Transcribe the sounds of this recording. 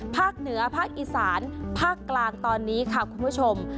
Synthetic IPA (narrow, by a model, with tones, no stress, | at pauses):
pʰaː˥˩k̚nɯ˩˦ɐpʰaː˥˩k̚ʔiː˧˩saː˩˦npʰaː˥˩kːlaː˧ŋt̪ɔː˧nːiː˦˥kʰa˥˩kʰu˧npʰu˦˥˩t͡ɕʰo˧m